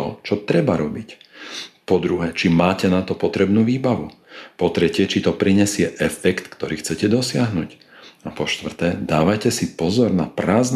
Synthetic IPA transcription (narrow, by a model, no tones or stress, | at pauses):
ɔt͡ʃɔt̪ɾɛbaɾɔbic | pɔd̪ɾuɦɛːt͡ʃimaːcɛnat̪ɔpɔt̪ɾɛbnuːʋiːbaʋu | pɔt̪ɾɛcɪɛt͡ʃit̪ɔpɾiɲɛsɪɛʔɛfɛkt̪kt̪ɔɾiːxt͡sɛcɛd̪ɔsɪaɦnṵːc | apɔʃt̪ʋr̩t̪ɛːd̪aːʋacɛsipɔzɔɾna̰pɾaːzn